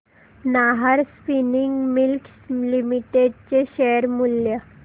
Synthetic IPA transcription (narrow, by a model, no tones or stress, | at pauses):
naɦaɾspiniŋɡmilk | limiʈeɖ̚t͡ɕeɕeəɾmuljə